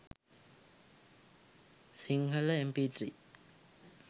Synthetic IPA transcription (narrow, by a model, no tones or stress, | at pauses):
siŋɦɐlɐempitʰɾi